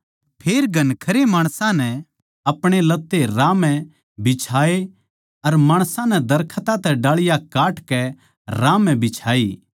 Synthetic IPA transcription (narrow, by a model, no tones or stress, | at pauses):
pʰeːɾɡʱɐnkʰɐɾemaːɽ̃sãnɛ | ɐpɽ̃elɐt̪ːeɾaːmɛ̃ | bɪt͡ʃʰaːe | ɐɾmaːɽ̃sãnɛd̪ɐɾkʰət̪ãt̪ɛɖaːɭɪjakaːʈkɛ | ɾaːmɛ̃bɪt͡ʃʰaːi